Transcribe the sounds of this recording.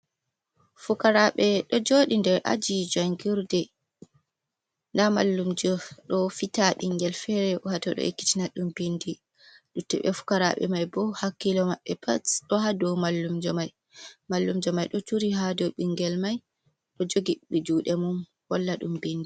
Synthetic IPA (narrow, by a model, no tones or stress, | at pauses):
fukaɾaɓɛɗɔd͡ʒoɗindɛɾʔa̰d͡ʒid͡ʒɔŋɡuɾdɛ | ndama̰lːumd͡ʒɔɗɔfitaɓiŋɡɛlfɛɾɛɔhatɔɗɔ̰ḛkːi̥tinaɗumbindi | ɗutːɛ̰ɓɛ̰fu̥kaɾa̰ɓɛ̰majbɔhakːilɔmaɓːɛpʰa̰tɗɔhadɔwmalːumd͡ʒɔmaj | malːumd͡ʒɔmajɗɔtuɾiɦadɔɓiŋɡɛlmaj | ɗɔd͡ʒoɡiɓid͡ʒuːɗɛmun | wɔlːaɗṵmbindi